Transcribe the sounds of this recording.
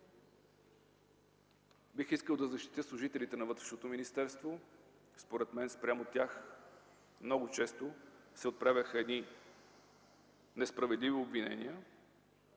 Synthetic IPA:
bixiskəlˠd̪ɐzɐʃt̪i̥t̪jɤslˠʊʒit̪ɛlit̪ɛnɐvɤt̪ɾɛ̥ʃnot̪ominist̪ɛɾst̪vo | spoɾɛt̪mɛnspɾʲamot̪ʲjax | mnɔɡot͡ʃɛst̪osɛot̪̚pɾavʲəxəɛd̪ni | nɛspɾɐvɛd̪liviobvinɛ̰niə

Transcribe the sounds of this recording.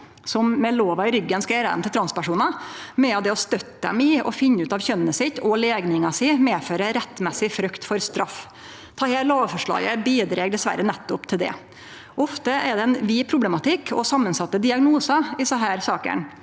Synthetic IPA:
sɔmmɛloːʋɑɪɾʏɡːənskɑeɾəd̪ɛ̰mt̪ɪt̪ʰɾɑnspæʂuːnɑmɛɑd̪ɛɔst̪œt̪ːəd̪ɛ̰mɪɔ̰fɪnːəʉːt̪ɑʋçœnənəsɪt̪ːɔleːɡnɪŋɑsɪːmeːføːɾəɾɛt̪ːmɛsɪfɾʉkt̪fɔɾst̪ɾɑf | t̪ʰɑːheːloːʋfɔʂɭɑ̰ːɡəbiːd̪ɾɛɡɖ̪ɛsʋæ̰ɾːənɛt̪ːʊpt̪ʰɪld̪ɛ̰ | ɔft̪əɛɾɖ̪ɛɛnʋiːpʰɾʊblɛmɑt̪ʰɪkːʰɔsɑmːənsɑt̪ːəd̪ɪɑɡnuːsɑɪsɑɦæːɾsɑːkə̰ɳ

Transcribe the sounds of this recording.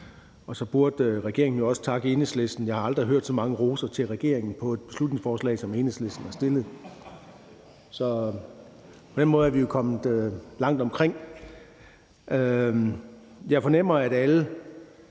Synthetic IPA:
ɒ̽sɒ̽b̥uɐd̥ʁɛɡ̥e̝ɐ̰eŋn̩jo̝ɒ̽sə̥t͡sʰɑ̈ɡ̥əe̝ːnesle̝sd̥n̩jɑ̈ɪhɑ̈ɑ̈ld̥ʁiɦøɐ̰d̥sɒ̽mɑ̈ŋəʁo̝ːsɐt͡sʰe̝lʁɛɡ̥e̝̰ɐ̰e̝ŋn̩pʰɒ̽e̝d̥̚b̥e̝slud̥ne̝ŋsfɒːslɛ̰ːsɒ̽meːnesle̝sd̥n̩æɐsd̥e̝lð̩ˠ | sɒ̽ | pʰɒ̽d̥enmɔ̽ːð̞̩ˠæɐʋijo̝kʰɒ̽m̰ð̩ˠølɑ̈ŋ̰d̥ɒ̽mkʰʁeŋ̰ | ʔø | jɑ̈ɪfɒ̽nem̰ɐæd̥ælə

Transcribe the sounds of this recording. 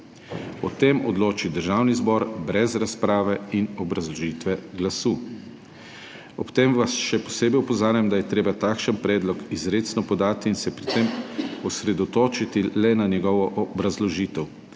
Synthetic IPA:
ɔt̪emɔd̪loːt͡ʃid̪əɾʒaːwnizbɔɾbɾɛzɾaspɾaːʋɛinɔbɾazlɔʒiːt̪ʋɛɡlasuː | ɔpt̪emʋasʃɛpɔ̥seːbɛjɔpɔzaːɾjamd̪ajɛt̪ɾeːbat̪aːkʃənpɾɛːd̪lɔkizɾeːt̪snɔpɔd̪aːt̪iːnsɛpɾit̪emɔsɾɛd̪ɔt̪oːt͡ʃit̪ilɛnanjɛɡɔʋɔʔɔbɾazlɔʒiːt̪ɛw

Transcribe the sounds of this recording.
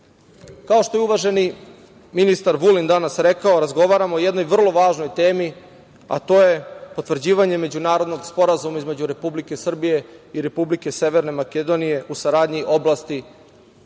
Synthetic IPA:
kao̞ʃt̪o̞jeuʋaʒe̞ni | minist̪aɾʋulind̪anasɾekaoɾazɡo̞ʋaːɾamoːjed̪no̞jʋr̩lˠo̞ʋaːʒno̞jt̪e̞ːmi | a̰t̪o̞ːje̞po̞t̪ʋr̩d͡ʑiːʋaɲe̞me̞d͡ʑunaːɾo̞d̪no̞ɡspo̞ɾazumaizme̞d͡ʑuɾe̞publike̞sr̩bije̞iɾe̞publike̞seʋeɾnemaked̪o̞nije̞ʔusaɾaːd̪ɲiʔo̞blast̪i

